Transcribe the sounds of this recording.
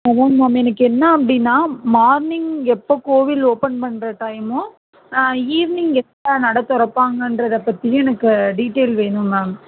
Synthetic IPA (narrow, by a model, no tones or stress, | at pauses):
ɐʋoːnmaːmɛnɐkːɯɛnːɐɐpːɐɽɪnːaːmaːɾnɪŋɛpːoːkoːʋɪloːpɐnpɐɳːɾɐʈɐjmõ | iːʋnɪŋɡɛnːɐnɐɽɐt̪ːɔɾɐpːaːŋɡɐndɾɐðɐpːɐt̪ːɪj̃ɛnɐkːɯɖiːʈːeːlʋeːnɯ̃maːm